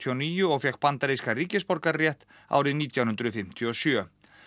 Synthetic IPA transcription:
t̪ʰɔniːjʏɔɣfjakpant̪aɾejskariːcɪspɔɾkaɾrjɛht̪ | a̰ːwɾɪðniːt̪jawnhʏnt̪ɾʏfɪm̥t̪ʰjɔsjœ

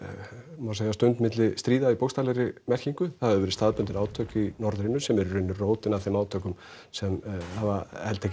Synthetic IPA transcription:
maseːɣjast̪ʏnt̪mɪt̪lɪst̪ɾiːðaipowkst̪alɛɾɪmɛr̥ciŋkʏθaððʏvɛɾɪst̪aːðpʏnt̪ɪɾaːwt̪ʰœkcɪinɔɾðɾɪnːʏsɛmɛɾʏrʏnːʏroːwt̪ɪnaθɪmaːwt̪ʰœkʏm | sɛmhavahɛlt̪ʰːɛc

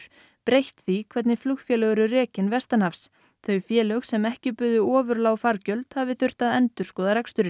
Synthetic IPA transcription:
pɾejht̪θikʰvɛt̪nɪflʏxfjɛlœɣʏɾʏrɛːcɪnvɛst̪anafs | θœɥfjɛːlœxsɛmɛhcɪpʏðʏɔːvʏɾlaːwfaɾcœlt̪havɪθʏr̥t̪aðɛnt̪ʏɾskɔːðaɾakst̪ʏɾɪ

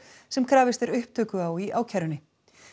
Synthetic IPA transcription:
sɛmkʰɾaːvɪst̪ɛɾʏhp̚t̪ʰœːkʏawiʔaːwcʰaɾʏnːɪ

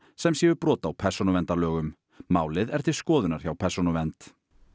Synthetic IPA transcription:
sɛmsjɛvʏpɾɔːt̪awpʰɛr̥sɔnʏvɛnt̪alœːɣʏmː | aːwlɪðɛɾ̥t̪ʰɪ̥skɔːðʏnaɾ̥çawpʰɛr̥sɔnʏvɛnt̪

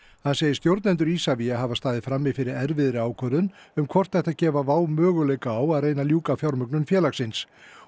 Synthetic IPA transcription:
hanseːjɪ̥st̪jowɾt̪nɛnt̪̬ʏɾiːsaviaɦavast̪aːðɪfɾamːɪfɪɾɪɾɛɾvɪðɾɪaːwkʰœðʏnʏmkʰvɔr̥t̪θɛht̪acɛːvavaːwmœːɣʏlejkaːwaðrejnaljuːkafjaɾmʏknʏnfjɛːlaxsɪns

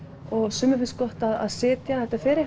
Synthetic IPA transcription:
ɔɣsʏːmʏfɪnskɔht̪aða̰ðsɪːt̪jaθɛht̪afɪːɾɪ

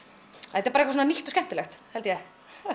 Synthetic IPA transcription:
ɛt̪ɛɾpaɾekas̬onaniht̪ɔ̥scɛm̥t̪ɪlɛxt̪hɛlt̪jɛ

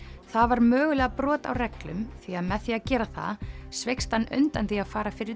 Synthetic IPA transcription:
θavaɾmœːɣʏlɛɣapɾɔːt̪a̰wrɛklʏmθiaðmɛðθiaðcɛːɾaθa̰svejkst̪hanːœ̰nt̪ant̪iaðfaːɾafɪɾɪɾ

